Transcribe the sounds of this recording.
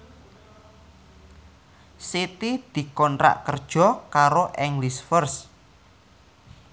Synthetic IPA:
sit̪id̪̥i̤kɔntɾa̰ʔkərd̥ʒ̥ɔ̤kaɾoʔɛŋlisfərs

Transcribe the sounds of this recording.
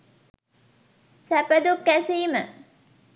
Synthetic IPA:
sæpəd̪upkæseːmə̰

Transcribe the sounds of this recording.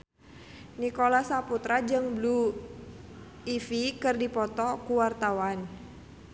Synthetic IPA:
nikolasaput̪ɾad͡ʒɨŋblu | ifikɨrdipɔt̪ɔkuwart̪awan

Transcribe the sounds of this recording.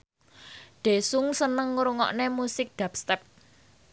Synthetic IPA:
ɖ̪̥e̤sʊŋsənəŋɾuŋɔ̰ʔnemusɪk̚ɖ̪̥a̤p̚st̪ɛp̚

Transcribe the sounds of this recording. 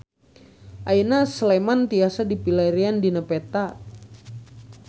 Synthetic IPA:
ʔainaslemant̪iasadipilaɾiandinəpet̪a

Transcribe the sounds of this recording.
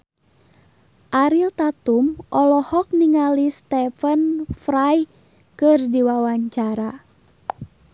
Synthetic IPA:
ʔaɾilt̪at̪umʔɔlɔhɔk̚niŋalist̪ɛfənfɾaj | kɨrdiwawaɲt͡ʃaɾa

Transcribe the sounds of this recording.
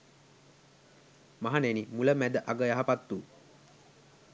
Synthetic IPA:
maɦanenimuləmæd̪əʔaɡəjaɦapat̪ːu

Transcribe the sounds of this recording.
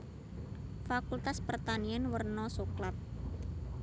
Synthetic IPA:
fakult̪aspərt̪anianwərnɔsuklat̪̚

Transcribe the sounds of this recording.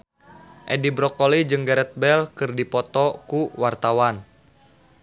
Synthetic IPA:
ʔɛdibɾɔkɔlid͡ʒɨŋɡɛɾɛt̪̚bɛlkɨrdipɔt̪ɔkuwart̪awan

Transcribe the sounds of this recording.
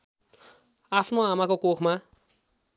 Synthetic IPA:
apʰnoamakokokʰma

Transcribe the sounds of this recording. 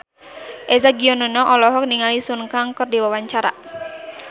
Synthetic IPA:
ʔɛzaɡiɔnɔnɔʔɔlɔɦɔk̚niŋalisunkaŋkɔrdiwawaɲt͡ʃaɾa̰

